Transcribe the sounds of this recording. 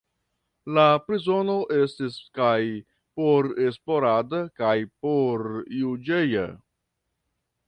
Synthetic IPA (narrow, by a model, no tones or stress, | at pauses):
lapɾizo̞no̞ʔe̞stiskaj | poɾe̞spo̞ɾadakajpoɾjud͡ʒeja̰